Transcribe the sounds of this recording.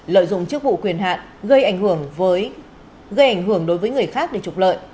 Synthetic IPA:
lə̰ː˧˨jzʊ̰˧˨ŋ͡mt͡ɕɨ˦˥ək̚vṵ˧˨kwi˨˩ənɦa̰ː˧˨n | ɣə˧jʔa˨˩jŋ̟hɨ˧˩əŋvəː˨˦j | ɣə˧jʔa˨˩jŋ̟hɨ˧˩əŋɗo˨˦jvəː˨˦jŋɨ˨˩əjxaː˦˥k̚ɗe˧˩t͡ɕʊ˨˩k͡p̚lə̰ː˧˨jʔ

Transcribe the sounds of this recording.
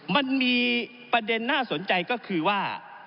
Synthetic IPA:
ma˧nmiː˧ | pa˧de˧nːaː˥˩so˩˦nt͡ɕa˧jkɔː˥˩kʰɯː˧waː˥˩

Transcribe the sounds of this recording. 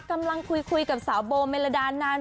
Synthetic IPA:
ka˧mla˧ŋkʰu˧jkʰu˧jka˨˩p̚saː˩˦wboː˧meː˧la˧daː˧naː˧

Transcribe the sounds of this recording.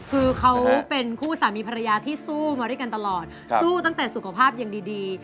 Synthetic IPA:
kʰɯː˧kʰa˦˥wpe˧nkʰuː˥˩saː˩˦miː˧pʰa˧ɾa˧jaː˧t̪ʰiː˥˩suː˥˩maː˧ɾwjka˧nt̪a˧lɔː˨˩t̪̚ | suː˥˩t̪a˥˩ŋt̪ɛː˨˩su˨˩kʰa˧pʰaː˥˩p̚ja˨˩ŋdiː˧diː˧

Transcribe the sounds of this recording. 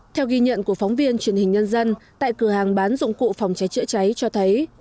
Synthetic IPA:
t̪ʰɛ˧wɣi˧ɲə̰˧˨nku˧˩əfɔ˨˦wŋ͡mvi˧ənt͡ɕwi˨˩ənhï˨˩ŋ̟ɲə˧nzə˧nt̪a̰ː˧˨jkɨ˧˩əhaː˨˩ŋɓaː˨˦nzʊ̰˧˨ŋ͡mkṵ˧˨fa˨˩wŋ͡mt͡ɕa˨˦jt͡ɕɨ̰˧˥t͡ɕa˨˦jt͡ɕɔ˧t̪ʰə˨˦j

